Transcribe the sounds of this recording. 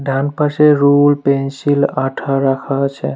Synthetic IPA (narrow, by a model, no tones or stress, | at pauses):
ɖʱanpəɾseɾulpensilaʈʰaɾakʰat͡ʃʰɛ